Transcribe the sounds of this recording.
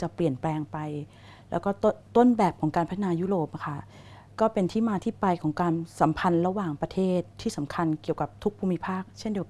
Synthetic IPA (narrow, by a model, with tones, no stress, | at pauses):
t͡ɕa˨˩pli˨˩ənplɛː˧ŋpa˧j | lɛː˦˥wkɔː˥˩˥t̪o˥˨nbɛː˨˩p̚kʰɔː˩˦ŋkaː˧npʰa˦t̪ʰa˧naː˧juː˦˥ɾoː˨˩p̚ʔa˧kʰa˥˩ | kɔː˥˩pe˧nt̪ʰiː˥˩maː˧t̪ʰiː˥˩pa˧jkʰɔː˩˦ŋkaː˧nsa˩˦mpʰa˧nɾa˧waː˨˩ŋpɾa˧t̪ʰeː˥˩t̪ʰːiː˥˩sa˩˦mkʰa˧nki˨˩əwka˨˩p̚t̪ʰu˦˥k̚pʰuː˧mːi˦˥pʰaː˥˩k̚t͡ɕʰe˥˩ndi˧əw